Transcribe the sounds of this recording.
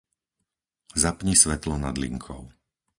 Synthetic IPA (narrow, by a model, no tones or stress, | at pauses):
zapɲisʋɛt̪lɔnad̪lḭŋkʰɔʊ